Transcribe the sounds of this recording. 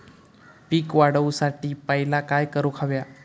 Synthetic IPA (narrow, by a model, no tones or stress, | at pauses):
piːkʋaɽəʋusaʈiːpəɦilakajkəɾukʰaʋja